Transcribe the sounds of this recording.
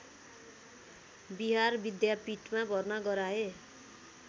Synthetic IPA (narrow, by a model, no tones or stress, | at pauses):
biɦarbid̪japiʈmãbʱʌrnʌɡʌɾae